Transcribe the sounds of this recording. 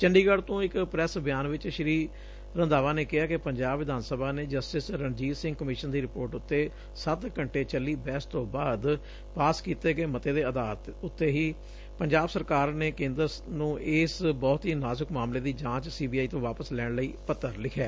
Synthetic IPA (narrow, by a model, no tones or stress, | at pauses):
t͡ʃəɳɖiːɡəɽt̪õːɪkpɾɛsbɪjaːnʋɪt͡ʃʃəɾiː | ɾənd̪aːʋaːneːkɪaːkɪpəɲd͡ʒaːbʋɪd̪aːnsəbaːneːd͡ʒəsʈɪsɾəɳd͡ʒiːsɪ̃ŋɡkəmɪʃənd̪iːɾɪpoːɾʈʊt̪ːeː | sət̪kəɳʈeːt͡ʃəlːiːbɛːst̪õːbaːd̪ | paːskiːt̪eːɡeːmət̪eːd̪eːəd̪aːlt̪ʊt̪ːeːɦiː | pəɲd͡ʒaːbsəɾkaːɾneːkẽːnd̪ɾ | nũːʔɪːsbɔːt̪ɦiːnaːzəkmaːmleːd̪iːd͡ʒãːt͡ʃsiːbiːaːiːt̪õːʋaːpəslɛːɽɳləiːpət̪ːəɾlɪkʰɛː